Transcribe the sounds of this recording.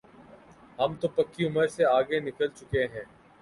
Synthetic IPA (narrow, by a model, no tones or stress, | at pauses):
ɦɐmt̪opɐkːiʊməɾseaːɡenɪkəlt͡ʃʊkeɦɛ̃ː